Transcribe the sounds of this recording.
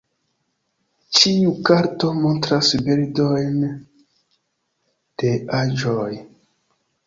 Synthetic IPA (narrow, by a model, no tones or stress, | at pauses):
t͡ʃiukaɾto̞mo̞ntɾasbeɾdojn | d̥e̞ad͡ʒoj